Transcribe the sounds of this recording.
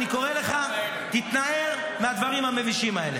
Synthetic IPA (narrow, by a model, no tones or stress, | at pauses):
niko̞ʁe̞le̞χa | t̪it̪nae̞ʁ | mead̪vaʁimhame̞viʃimae̞le